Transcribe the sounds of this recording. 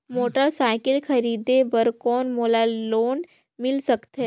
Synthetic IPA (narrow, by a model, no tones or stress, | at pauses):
moːʈəɾsaːɪkəlkʰɐɾiːd̪ebəɾkɔːnmoːlaloːn | mɪlsəkt̪ɦɛ